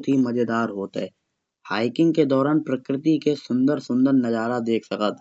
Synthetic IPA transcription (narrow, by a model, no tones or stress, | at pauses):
t̪ɦimɐd͡ʒed̪aːɾɦoːt̪ɦɛː | haːɪkɪ̃ŋɡked̪ɔːɾaːnpɾəkɾɪt̪ikesʊ̃nd̪əɾsʊ̃nd̪əɾnɐd͡ʒaːɾad̪eːkʰsɐkət̪̚ʰ